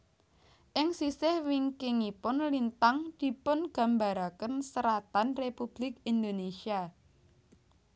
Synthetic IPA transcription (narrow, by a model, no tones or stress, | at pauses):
ʔɪŋsisɪhwiŋkɪŋipʊnlint̪aŋd̪̥i̤pʊnɡ̥a̤mbaɾakənsəɾat̪anrepub̥lɪk̚ind̪onesia